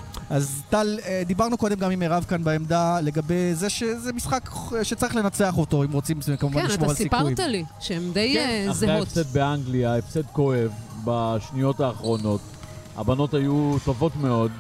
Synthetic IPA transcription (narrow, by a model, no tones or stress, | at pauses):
ʔazt̪aled̪ibaʁnuko̞d̪emɡamimeʁavkanbaemd̪ale̞ɡabe̞jzeʃezemisχakʃet͡saʁiχle̞nat͡se̞aχo̞to̞imʁo̞t͡simskamuanmoalssikput̪aliʃeemd̪ejzeeaefsed̪̚beaŋɡliaefsed̪koevbaʃnijo̞taːχʁo̞no̞t | a̰bano̞tajut̪ovo̞t̪meo̞d̪